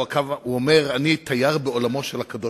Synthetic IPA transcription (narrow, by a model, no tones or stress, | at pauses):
akavuomeʁanit̪ʰajaʁbeolamo̞ʃelhakad̪o